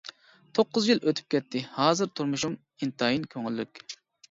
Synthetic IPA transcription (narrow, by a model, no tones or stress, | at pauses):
t̪ʰoqːʊzjiløt̪ʰy̥p̚kʲɛt̪ʰːɪhɑːzɨɾt̪ʰuɾmuʃum | int̪ʰɑjinkʲʰøŋylːykʲ